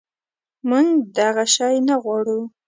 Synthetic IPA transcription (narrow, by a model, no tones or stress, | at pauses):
məŋd̪aɣaʃɑjnaɣwɑɽu